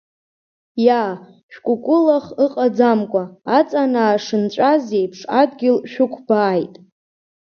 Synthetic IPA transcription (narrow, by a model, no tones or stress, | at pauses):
ja | ʃᶣkʷʼʊkʷʼʊlaχɨqʼad͡zamkʷʼaːt͡sʼanaːʂɨnt͡ʃʷʼazejpʰʂadɡʲɪlʃᶣʊkʷʰb̥aːjtʼ